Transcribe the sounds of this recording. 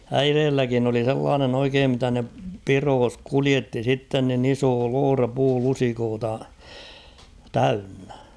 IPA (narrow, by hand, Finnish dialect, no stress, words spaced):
æireːlːækin oli selːɑːnen oikeːm mitæ ne piroːs kulietːi sitːen nin iso loːrɑ puːlusikoːtɑ tæynːæ̥